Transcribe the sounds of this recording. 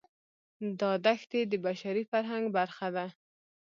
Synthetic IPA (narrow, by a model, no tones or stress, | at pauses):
d̪ɑd̪axt̪ed̪əbaʃaɾifaɾɦaŋɡbaɾxad̪a